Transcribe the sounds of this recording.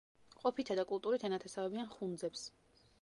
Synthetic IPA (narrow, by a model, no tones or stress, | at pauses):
qʼɔpʰit̪ʰad̪akʼulˠt̪ʼuɾit̪ʰɛnat̪ʰɛsavɛbianχund̪zɛps